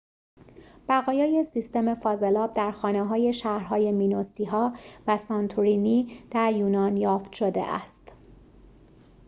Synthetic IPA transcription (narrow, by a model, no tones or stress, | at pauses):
b̥æɣɒːjɒːje̞sist̪e̞me̞fɒːzelɒːb̚d̪æɾxɒːneɦɒːje̞ʃæhɾɦɒːje̞miːnosiːɦɒːvæsɒnt̪ʰuɾiniːd̪̥æɾjuːnɒːnjɒːft̪ʃod̪e̞̰ʔæ̰st̪